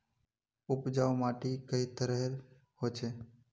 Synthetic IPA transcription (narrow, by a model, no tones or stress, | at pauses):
ʊpd͡ʒaːʊmaːʈikəit̪əɾəɦɾ | hoːt͡ʃʰeː